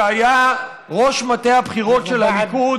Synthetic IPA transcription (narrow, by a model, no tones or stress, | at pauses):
aja | ʁo̞ʃmate̞jhabχiʁo̞tʃelhamiku